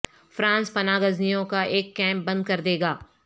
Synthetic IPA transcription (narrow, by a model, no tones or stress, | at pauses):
fɾãːnspɐnaːɡɐznijõkaʔeːkːɛ̃ːmp̚bɐ̃nd̪̚kɐɾd̪eːɡaː